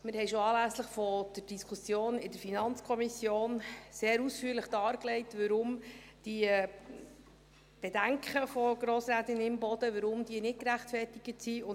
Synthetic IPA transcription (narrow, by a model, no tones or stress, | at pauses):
mɪɾhɛɪʃoɑːlæsləχfɔd̥ərd̥iskʰusjoːnɪdəɾfinɑnt͡skʰɔmisjoːnseːɾusfyːɾləχd̥ɑːɾklɛɪtʋəɾʊmd̥i | b̥edæŋkχəfɔɡ̥ɾoːsɾæːtɪnɪmbɔd̪̥əʋəɾʊmd̥iənɪt̚kɾæχtfɛrtɪɡ̥ətsiʊ